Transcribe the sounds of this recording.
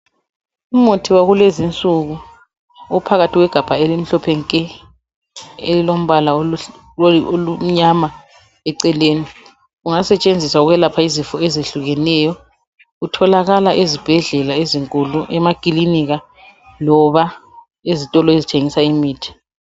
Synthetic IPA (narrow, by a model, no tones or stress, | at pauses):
umutʰiwaɣulezint͡sʼuɣu | ɔpʰaɣatʰiɣwɛɡ̥ʱab̥ʱaelim̩ɬɔpʰɛŋkʼɛ | ḛlilom̩βalao | olum̩ɲama | ɛǀɛleːni | uŋasɛt͡ʃʼend͡zʱiswauɣwɛlapʰaizifɔezeɬuɣɛnɛːjɔ | utʰɔlaɣalaʔezib̥ʱɛɮɛlaeziŋkʼuluʔɛmakʼiliniɣa | lɔβa | ezitʼɔlɔezitʰeŋisaimiːtʰi̥